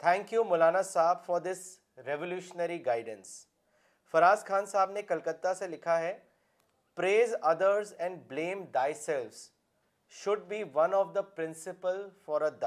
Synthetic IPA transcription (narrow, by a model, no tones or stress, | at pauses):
t̪ʰɛ̃ŋkjumʊlaːnasaːbfɔɾd̪ɪs | ɾɛʋəljuːʃənəɾiɡaɪɖə̃ns | fɐɾaːzkʰãːnsaːbnekɐlkət̪ːaselɪkʰaɦɛ | pɾeːzɐd̪əɾzɛ̃ɳɖblẽːmd̪aɪsɛlʋz̥ | ʃʊɖ̚biːʋɐ̃nɔʋd̪əpɾɪ̃nsɪpəlfɔɾəd̪